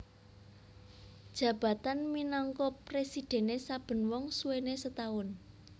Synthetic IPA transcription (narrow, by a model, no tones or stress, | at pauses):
d̥ʒ̥ä̤b̥ä̤t̪anminɔŋkɔpresid̥ɛ̤nesab̥ə̤nwɔŋsuwenesət̪aʊn